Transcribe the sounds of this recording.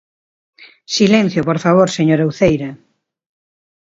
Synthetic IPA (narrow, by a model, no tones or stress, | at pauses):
silẽn̟θjopoɾfaβ̞oɾseɲoɾawθejɾa